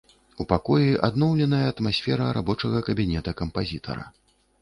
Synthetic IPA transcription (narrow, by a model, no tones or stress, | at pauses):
upakɔjiʔa̰d̪nɔwlʲɛnɐjɐːt̪masʲfʲɛɾɐɾa̰bɔt͡ʂɐɣɐkɐbʲinʲɛt̪ɐkɐmpazʲit̪ʰɐ̰ɾɐ̰